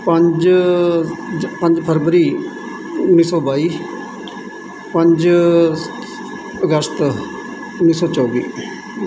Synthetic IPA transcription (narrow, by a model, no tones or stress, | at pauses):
pəɲd͡ʒ | pə̃ɲd͡ʒpʰəɾʋəɾiː | ʊnːiːsɔːbaːiː | pə̃ɲd͡ʒ | əɡəst̪ | ʊnːiːsɔːt͡ʃɔːʋḭː